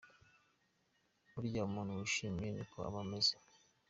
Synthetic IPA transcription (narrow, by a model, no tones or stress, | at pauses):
uɾijamonuuʃimeɲikʰoa̰βamezḁ